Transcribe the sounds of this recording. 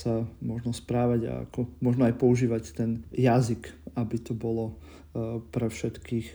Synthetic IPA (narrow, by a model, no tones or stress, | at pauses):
samʊɔʒnɔspɾaːʋaɟa̰a̰kɔmʊɔʒnɔajpɔuʒiːʋact̪ɛnjazikabit̪ɔbɔlɔ | pɾɛfʃɛt̪kiːx